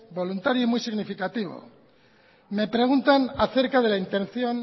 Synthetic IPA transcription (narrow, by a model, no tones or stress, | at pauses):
bo̞lunt̪aɾjoimwijsiɣnifikat̪iβo̰ | me̞pɾe̞ɣunt̪anaθe̞ɾkaðe̞laint̪ẽ̞nθjo̞n